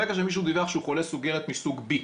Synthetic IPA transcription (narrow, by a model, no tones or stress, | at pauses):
ekaʃ̬emiʃ̬ud̪ivaχʃeuχolesuɡeʁet̪misuɡbi